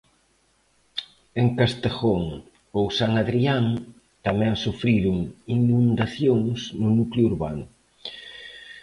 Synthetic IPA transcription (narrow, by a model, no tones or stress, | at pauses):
eŋkast̪eɣoŋ | owsaŋaðɾiaŋ | t̪amɛ̃ŋsufɾiɾʊŋinũnd̪aθjoŋsnʊnukluɾβa̰nʊ